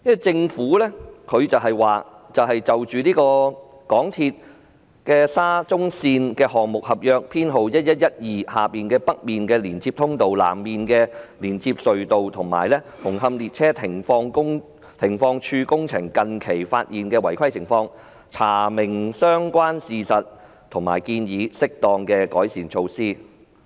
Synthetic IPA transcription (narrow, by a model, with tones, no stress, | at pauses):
jɐ˥wɐ˨˩jt͡sɪ˧ŋfuː˨˥lɛː˥kʰɵ˨˧ɥt͡sɐ˨wɦɐ˨jwaː˨˩ | t͡sɐ˨wɦɐ˨jt͡sɐ˨wt͡ʃyː˨liː˥kɔː˧ | kɔː˨˥ŋt̪ʰiː˧t̚ | kɛː˧saː˥t͡sʊ˥ŋsiː˧nkɛː˧hɔː˨ŋ̚mʊ˨k̚hɐ˨p̚jœː˧k̚pʰiː˥nɦo˨wjɐ˥t̚jɐ˥t̚jɐ˥t̚jiː˨haː˨piː˨˩nkɛː˧pɐ˥k̚miː˨nkɛː˧liː˨˩nt͡siː˧p̚t̪ʰʊ˥ŋt̪o˨wla̰ː˨˩mːiː˨nkɛː˧liː˨˩nt͡sʰiː˧p̚sɵ˨ɥt̪o˨wt̪ʰʊ˨˩ŋma̰ː˨jlɛː˥hʊ˨˩ŋɦɐ˧mliː˨t̚t͡sʰɛː˥t̪ʰɪ˨˩ŋfɔː˧ŋkʊ˥ŋ | t̪ʰɪ˨˩ŋfɔː˧ŋt͡ʃʰyː˧kʊ˥ŋt͡sʰɪ˨˩ŋkɐ˨nkʰe˨˩jfa̰ː˧t̚jiː˨˩nkɛː˧wɐ˨˩jkʰɐ˥jt͡sʰɪ˨˩ŋfɔː˧ŋ | t͡sʰaː˨˩mɪ˨˩ŋsœː˥ŋkʷwaː˥nsiː˨sɐ˨t̚ | t̪ʰʊ˨˩ŋma̰ː˨˩jkiː˧njiː˨˧sɪ˥k̚t̪ɔː˨˩ŋkɛː˧kɔː˨˥jsiː˨˩nt͡ʃʰo˧wsiː˥